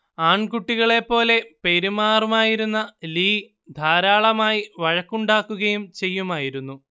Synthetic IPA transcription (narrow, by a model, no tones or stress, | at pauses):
aːɳkuʈːiɣɐɭe̞pːo̞ːle̞pe̞ɾimaːrumaːjiɾunːɐliː | d̪ʱaːɾaːɭɐmaːjiʋɐɻɐkːuɳɖaːkːuɣɐjumt͡ɕe̞jːumaːjiɾunːu